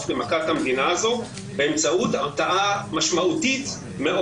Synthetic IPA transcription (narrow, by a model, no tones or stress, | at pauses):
flemakat̪hamd̪inaazo̞ | beemt͡saʔut̪at̪aʔamaʃmaʔut̪it̪ | meʔo